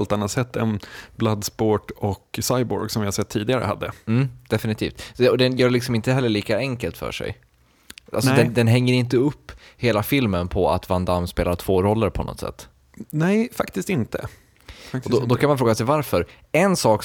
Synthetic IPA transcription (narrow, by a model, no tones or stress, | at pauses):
lt̪anːat̪sɛt̪ʰːɛ̰nblad̪spoːʈɔksajbɔ̰ɾɡsɔmvɪhaɾsɛt̪ʰːiːd̪ɪɡaɾə̰ha̰d̪ːə̰m̩ːd̪̥ɛfɪnɪt̪ʰiːft̪ɔd̪ɛnjœːɭɪksɔmɪnt̪əhɛlːəɭiːkaɛŋkəlt̪fœ̰ːʂɛ̰j | a̰lsɔd̪ɛnd̪ɛnɦɛŋːəɾɪnt̪əɵpːheːlafɪlmənpʰɔa̰t̪vand̪amspeːlat̪ʰv̥oːɾɔlːəɾpʰɔnɔ̰t̪sɛ̰t̪ː | nɛɪfakt̪ɪst̪ɪnt̪ə̰ | ɔd̪d̪ɔkʰanmanfɾoːɡasɛjvaɾfœɾ | ɛnsɑːk